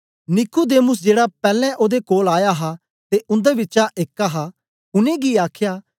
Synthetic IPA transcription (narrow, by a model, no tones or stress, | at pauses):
nɪkʊd̪eːmʊsd͡ʒeːɽapɛːlɛ̃ʔoːd̪ekoːlaːjaɦa | t̪eʔʊ̃nd̪eʋɪtːt͡ʃaʔeːkːaɦaː | ʊnẽːɡiaːkʰjaː